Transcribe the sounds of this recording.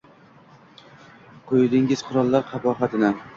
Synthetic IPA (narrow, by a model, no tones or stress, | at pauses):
qʰojd̪ɪŋɪz̥qʰʊɾɒlˠːaɾqʰɑpɒχɑt̪ʰɪna